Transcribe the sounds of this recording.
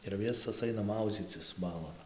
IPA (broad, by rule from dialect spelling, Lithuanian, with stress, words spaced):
ɪr ˈʋʲɪsoːs ˈɐɪnɐ ˈmɐʊd͡zʲiːt͡sʲɪs ˈbɑːlˠoːn